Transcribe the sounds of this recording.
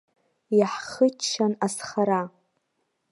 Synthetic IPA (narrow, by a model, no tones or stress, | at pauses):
jaħχət͡ʃːanasχaɾa